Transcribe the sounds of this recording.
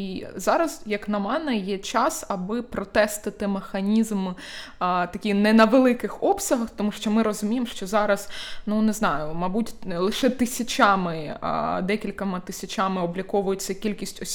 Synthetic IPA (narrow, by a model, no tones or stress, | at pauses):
izɑɾɐzjɐknɐmɛnɛjɛt͡ʃɑsɐbɪpɾɔt̪ɛst̪ɪt̪ɪmexɐnʲizm | t̪ɐkʲinɛnɐʋelˠɪkɪxɔpsʲɐɦɐxt̪ɔmuʃt͡ʃɔmɪɾɔzʊmʲijemʃt͡ʃɔzɑɾɐznunɛznɑjʊmɐbutʲlˠɪʃɛt̪ɪsʲɐt͡ʃʲɑmɪ̰d̪ɛkʲilʲkɐmɪt̪ɪsʲɐt͡ʃamɪɔblʲɐkɔʋʊjʊt͡sʲːɐkʲilʲkʲisʲtʲɔ